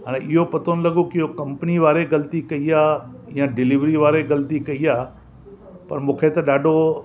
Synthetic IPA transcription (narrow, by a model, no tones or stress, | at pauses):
ɦaːɽ̃eʔɪɦopɐt̪ʰonɪ̆lɐɠokɪɦokɐ̃mpəniʋaːɾeɡɐlt̪ikɐiaːjãɖɪlɪʋɾiʋaːɾeɣɐlt̪ikɐiaː | pɐɾmũːkʰet̪ɐɗaːɖʱo